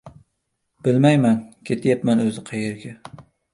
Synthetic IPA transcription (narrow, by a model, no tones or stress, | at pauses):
b̥ɪlmajmankʲʰe̞t̪ʰjapmanɵzɪqʰɑjeɾɡʲa